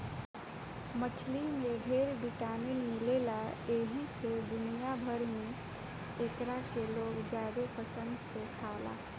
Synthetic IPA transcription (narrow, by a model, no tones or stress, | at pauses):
mət͡ʃʰlimeɖʱeɾɖiʈaːninmilelaeɦised̪unijabʱəɾme | ekɾakeloːɡd͡ʒaɾepəsə̃nd̪sekʰaːla̰